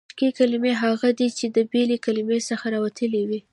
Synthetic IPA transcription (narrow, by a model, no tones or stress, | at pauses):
kikalimeɦaɣad̪it͡ʃed̪əbelekalimesəxaɾɑwat̪ʰəlewi